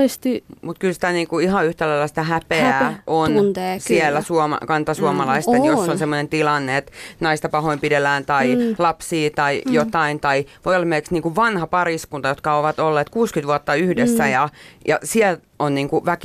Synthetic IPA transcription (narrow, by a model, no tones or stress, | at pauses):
st̪imut̪̚kylsi̥t̪æniːŋkuihɑyht̪ælæilːæst̪ɑhæpeæʔonsielːæsuomɑ̰kɑnt̪ɑsuomɑlɑist̪ɑejosːonsemːonent̪ilɑnːeet̪nɑist̪ɑpɑhoimpidelːæːnt̪ɑilɑpsiːt̪ɑijot̪ɑint̪ɑiʋoijolɑmelkeksniːŋkuʋʋɑnhɑpɑriskunt̪ɑjot̪kɑoʋɑt̪olːeːt̪kuːskyt̪ʋuɑt̪ːɑyhdesːæjɑjɑsiɛl | onniːŋkuʋæki